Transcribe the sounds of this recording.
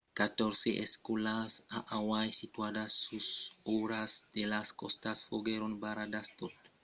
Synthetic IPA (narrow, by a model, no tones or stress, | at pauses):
kat̪oɾseʔeskulasaʔawajsit̪uadasusoɾasd̪̥elaskost̪asfoɡeɾonbaɾad̪ast̪ot̪